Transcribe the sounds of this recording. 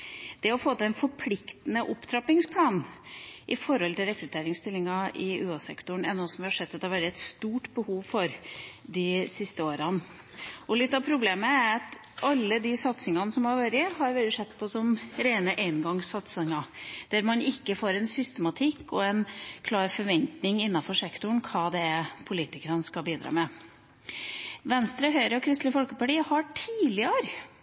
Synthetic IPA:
d̪̥ɛɔfoːt̪əɛnfɔɾpʰlɪkt̪ənəʔʊpt̪ʰɾɑpɪŋspʰlɑːnʔɪfɔɾhɔlt̪ɪlɾɛkɾʉt̪ʰeːɾɪŋst̪ɪlːɪŋɑʔɪʉːɑsɛ̰kt̪ʊɳɛnːosɔmʋɪhɑʂɛd̪ːɑt̪ɛhɑʋæːɾəɛt̪st̪uːʈbəhuːʋfɔɾd̪ɪsɪst̪əoːɾɑn | ɔlɪt̪ːɑʋpʰɾʊbleːməæɾɑt̪ | ʔɑlːəd̪ɪsɑt̪sɪŋɑnəsɔmhɑɾʋæɾɪɦɑɾʋɛlɪʂɛt̪ːpʰɔsɔmɾeːnəʔeɪnɡɑŋsɑt̪sɪŋɑd̪̥æɾmɑnɪkːəfoːɾɛnsʏst̪əmɑt̪ʰɪkːɔɛnkʰlɑːɾfɔɾʋɛnt̪nɪŋɪnːɑfɔʂɛkt̪ʊɳ̩kʰɑːd̪ɛpʰʊliːt̪ɪkəɾɑnskɑbiːd̪ɾɑ̰ːmɛ | ʋɛnst̪ɾɑɦœʏɾəɔkʰɾɪst̪ləfɔlkəpɑʈiːəhɑʈʰiːlɪəɾ

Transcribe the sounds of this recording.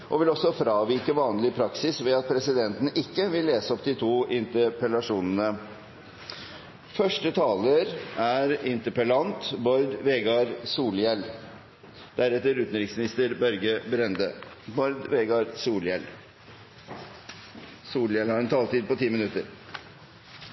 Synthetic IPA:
ʔɔʋɪlɔsːɔfɾɑːʋiɾkəʋɑːnlɪpʰɾɑksɪsʋɛɑt̪̚pʰɾɛsɪd̪ɛnt̪ən̩ʔɪkːəʋɪlːeːsəɔp̚d̪ɪt̪ʰuːʔɪnt̪əpəlɑʂuːnənə | fœʂʈət̪ʰɑːləɾæɾɪnt̪əɾpəlɑnt̪bɔɾd̪ʋeɡɑɾsuːljɛl | d̪̥æɾɛt̪ːəɾʉːt̪nɾɪŋsmɪnɪst̪əɾbœɾɡəbɾɛnd̪əbɔɾd̪ʋɛɡɑɾsuːljɛl | suːljɛlhɑɾɛnt̪ʰɑːlt̪iːd̪̚pɔt̪ʰiːmɪnʉt̪əɾ

